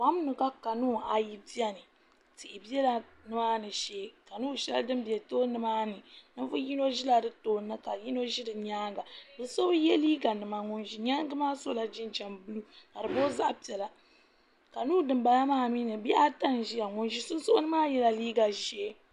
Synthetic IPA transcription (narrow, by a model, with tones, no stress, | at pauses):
wa˦m˦nɨ˨ka˦ka˨nuː˦˨a˨ji˦bi˦ɛ˦nɨ˨ | ti˨ʔɪ˨bi˦ɛ˦la˨nɨ˦ma˦nɨ˨ʃeː˦˨ka˨nuː˦˨ʃɛ̰˦ldɨ˦m˦bi˨ɛ˨toː˦nɨ˦maː˦nɨ˨nɨ˦vɨ˦ji˦no˦ʒi˦la˨dɨ˦toː˦nːɨ˦ka˨ji˦no˦ʒi˦dɨ˨ɲaː˦ŋɡa˨bɨ˨so˦bɨ˦jɛ˦liː˦ɡa˨nɨ˨ma˨ŋʊ˨nʒi˦ɲaː˦ŋ˦ɡɨ˦maː˦so˦la˨d͡ʒi˦nd͡ʒɛ˨mbu˦lu˦ka˨ɾɨ˨boː˦za˦ʔpi˨ɛ˨la˨ | ka˨nuː˦˨dɨ˨m˦ba˨na˦maː˦˨mi˦nɨ˨bi˦a˦ta˦n˨ʒi˦ja˨ŋʊ˨nʒi˦sʊ˦n˦sʊ˦ʔʊ˦nɨ˦maː˦jɛ˦la˨liː˦ɡa˨ʒeː˦